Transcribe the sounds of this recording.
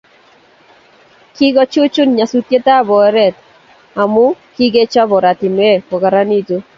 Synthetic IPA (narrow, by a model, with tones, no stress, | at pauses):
ki˦ɡɔ˦t͡ʃu˦t͡ʃʊ˦nɲa˨su˨˦tje˦ta˦bɔ˨ɛ˦ɾɛ˦˨t | a˨mʊ˦ki˦ɡe˦t͡ʃɔ˦bɔ˨ɾa˨tɪ˨m˦e˦˨pɔ˨ka˨ɾa˦ni˦to˦